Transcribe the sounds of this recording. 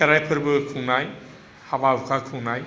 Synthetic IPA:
kɐɾajpʰɯɾbɯkʰunaj | habakʰakʰunaj

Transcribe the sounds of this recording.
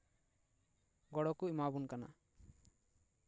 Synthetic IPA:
ɡɔɽɔkuimabunkana̰

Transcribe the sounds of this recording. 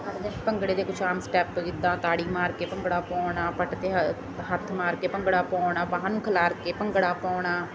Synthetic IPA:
ɦəɾd͡ʒəpəŋɡɽeːd̪eːkʊt͡ʃʰaːmsʈɛːpkɪd̪ãːt̪aːɽiːmaːɾkeːpəŋɡɽaːpɔ̃ːɽaːpəʈt̪eː | hət̪ʰmaːɾkeːpəŋɡɽaːpɔ̃ːɽaːpaːɦãːnũːkʰəlaːɾkeːpəŋɡɽaːpɔ̃ːɽaː

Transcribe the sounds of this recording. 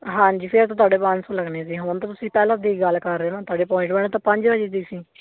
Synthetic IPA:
ɦãːɲd͡ʒiːpʰɪɾt̪ãːt̪̬waːɖeːpãnsõːləɡneːsiːɦʊnt̪ãːt̪ʊsĩːpɛːlãːd̪iːɡəlkəɾːeːnãːt̪ʊaːɖeːpɔ̃ːɲt͡ʃbɛːɽ̃ːt̪ãpə̃ɲd͡ʒʋəd͡ʒeːd̪iːsiː

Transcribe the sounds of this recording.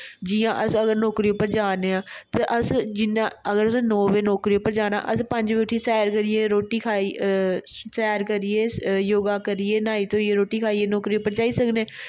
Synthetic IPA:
d͡ʒijãːʔəsəɡəɾnɔːkɾiːʊpːəɾd͡ʒaːneːãːt̪eʔəsd͡ʒɪnãːəɡəɾəsnɔːʋeːnɔːkɾiːʊpːəɾd͡ʒaːna̰ːʔəspəɲd͡ʒʋeːʈʰːiːsɛːɾkəɾieːɾoːʈiːkʰaːi | sɛːɾkəɾieːjoːɡaːkəɾieːnaːiːt̪õːieːɾoːʈiːkʰaːienɔːkɾiːʊpːəɾd͡ʒaːiːsəkneː

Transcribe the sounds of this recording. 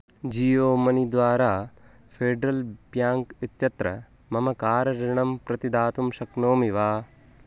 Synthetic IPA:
d͡ʒiːoːmɐnid̪ʋaːɾaː | pʰeːɖɾɐlpjaːŋkit̪jɐt̪ɾɐ̰ | mɐmɐkaːɾɐɾiɳɐmpɾɐt̪id̪aːt̪umʃɐknoːmiʋaː

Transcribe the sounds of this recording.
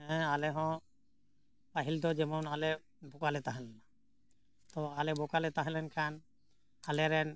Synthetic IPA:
ɛaleɦɔ̃ | paɦild̪ɔd͡ʒɛmɔnale | bɔkalɛt̪aɦɛ̃lɛnːa | t̪ɔalebɔkalɛt̪aɦɛ̃lɛnkʰan | alɛɾɛn

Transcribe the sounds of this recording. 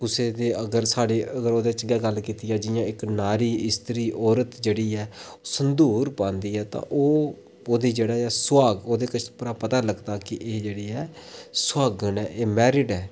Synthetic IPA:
kʊseːd̪eːəɡəɾsaːɽeːəɡəɾoːd̪eːt͡ʃəɡɛːɡəlkiːt̪ijɛːd͡ʒɪjãːɪknaːɾiːɪst̪ɾiːʔɔːɾət̪d͡ʒeːɽiːɛːoːsənd̪uːɾpãːnd̪iːɛːt̪ã̰ːʔoː | oːd̪iːd͡ʒeːɽaːɛːswaːɡoːd̪eːkət͡ʃʰpʊɾaːpət̪aːləɡd̪aːkɪʔeːd͡ʒeːɽiːɛːsʊwaːɡənɛːʔeːmɛːɾɪɖɛː

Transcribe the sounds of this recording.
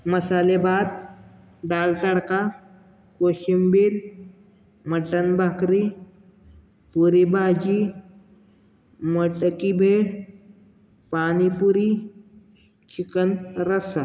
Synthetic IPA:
məsaːlebaːd̪̚ | d̪aːlt̪əɽka | koːʃimbeːl | məʈənbʱakɾi | puɾibaːd͡ʒi | məʈkibʱeːɽ | paːnipuɾi | t͡ʃʰɪkənɾəsa

